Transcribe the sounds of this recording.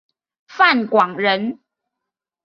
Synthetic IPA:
fa˥˨nkwɑ˨˩ŋɻə˨˦n

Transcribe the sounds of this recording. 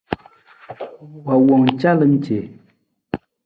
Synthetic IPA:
wa˨wɔ˨ŋt͡ʃa˦lə˨m̩t͡ʃe˨

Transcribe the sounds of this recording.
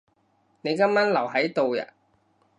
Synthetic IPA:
ne˨˧jkɐ˥mːaː˥nlɐ˨˩wɦɐ˨˥jt̪o˨˧wjɐ̰˨˩

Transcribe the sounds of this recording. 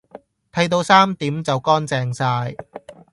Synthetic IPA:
t̪ʰɐ˧jt̪o˧wsaː˥mt̪iː˨˥mt͡sɐ˨wkɔː˥nt͡sɛː˧ŋsaː˧j

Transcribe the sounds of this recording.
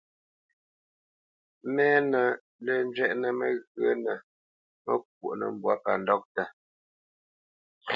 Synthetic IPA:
mɛː˦nə˨ | lə˨n˦d͡ʒɥɛ˦ʔnə˨mə˦ɣə˦nə˨ | mə˦k̚wo˨ʔnə̰˨m˦bwa˦pa̰˨ndɔ˦k̚tə˨

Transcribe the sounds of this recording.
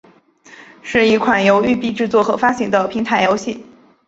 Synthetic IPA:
ʂɻ̩˥˩i˧˥kʰwa˨˩njo˧˥ʊy˥˧pi˥˧ʈ͡ʂɻ̩˥˧t͡swɔ˥˩xɤ̰˧˥fa˥ɕi˧˥ŋd̪ə˧pʰi˧˥ŋt̪ʰa˧˥ɪjo˧˥ʊɕi˥˩

